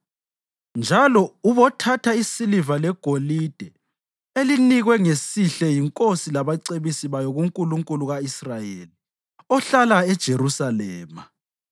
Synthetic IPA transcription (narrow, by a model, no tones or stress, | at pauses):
nd͡ʒʱalɔuβɔtʰatʰaisilivalɛɡ̥ʱolid̥ʱɛ | eliniɣwɛŋesiɬɛjiŋkʼosilaβaǀeβisiβajɔɣuŋkʼuluŋkʼuluɣaisrajeli | ɔɬalaɛd̥ʒ̥ʱeɾusalɛːma